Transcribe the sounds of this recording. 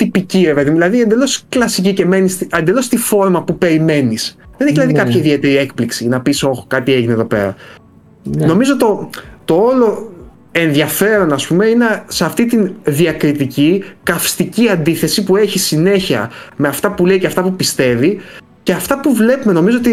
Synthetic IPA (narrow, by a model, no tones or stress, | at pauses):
t̪ipicivepe̞ðimuðilɐðiend̪e̞lo̞sklɐsiciceme̞nist̪iɐnd̪e̞lo̞st̪ifo̞ɾmɐpupe̞ɾime̞nisðeneçilɐðikɐpçɐiðie̞t̪e̞ɾiek̚pliksinɐpiso̞xokɐt̪ie̞ʝineðo̞pe̞̰ɾɐ̰ | no̞mizot̪o̞t̪o̞o̞lo̞ | e̞nðjɐfe̞ɾo̞nɐspume̞ineseɐft̪it̪inðiɐkɾit̪icikɐfst̪iciɐnd̪iθe̞sipue̞çisine̞çiɐ̰me̞ɐft̪ɐpule̞iceɐft̪ɐpupist̪e̞vi | ceɐft̪ɐpuvle̞pume̞no̞mizoot̪i